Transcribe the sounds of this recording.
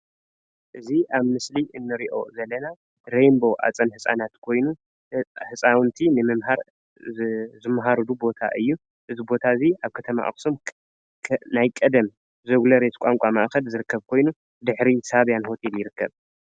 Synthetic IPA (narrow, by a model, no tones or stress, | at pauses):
ʔɨziʔaβmɨsliʔɨnːɨɾiʔo̞̰zɐlːɐna | ɾembo̞ʔa̰t͡sʼɐnhɨsʼa̰nat̪kʰo̞jnu | hɨsʼawnt̪ʰinɨmɨmɦaɾ | zɨmːɦaɾɨd̪ubo̞t̪ʰa̰ʔɨjːu | ʔɨzibo̞t̪ʰaziaβkʰɐt̪ʰɐma̰ʔa̰ksumʰ | najkʼɐd̪ɐm | zɐɡlɐɾet̪kʷʼaŋkʷʼama̰ʔxɐlzɨɾɨkːɐβkʰo̞jnu | d̪ɨħɾisaβjanho̞t̪ʰeljɪɾɨkːɐβ